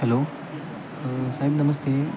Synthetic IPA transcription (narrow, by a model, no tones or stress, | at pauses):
ɦɛloː | saːɦɪbnɐməst̪eː